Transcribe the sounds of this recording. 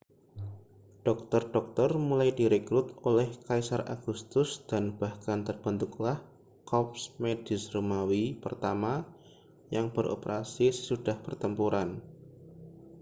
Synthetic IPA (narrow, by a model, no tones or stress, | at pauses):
ɖ̥ɔk̚t̪ɔrɖ̥ɔk̚t̪ɔrmulajdiɾekɾʊt̪olɛhkaisarʔa̰ɡ̥ust̪ʊsd̥anb̥ahkant̪ərb̥ənt̪ʊklah | kɔp̚smed̥isrumawipərt̪ama | jaŋb̥əɾʔo̰pəɾasisə̥sud̥ahpərt̪əmpuɾan